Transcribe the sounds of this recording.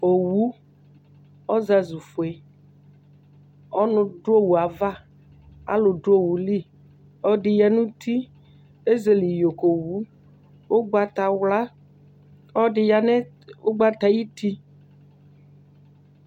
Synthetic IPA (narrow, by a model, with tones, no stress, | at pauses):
o˨wu˨˦ | ɔ˦za˦zu˨fo˨e˨ | ɔ˦nʊ̃˨ɖʊ˦o˦wu˨a˨va˦ | a̰˦lʊ˨ɖʊ˦o˦wu˨li˦˨ | ɔ˦ɖɪ˨ja˨nũ˦t̪i˦ | e˦ze˨li˨jo˨ko˨wu˨˦ | wo˦ɡ͡ba˦t̪a˨wla˦ | ɔ˦ɖɪ˨ja˨nɛ˦ | o˦ɡ͡ba˦t̪a˨ji˦t̪i˦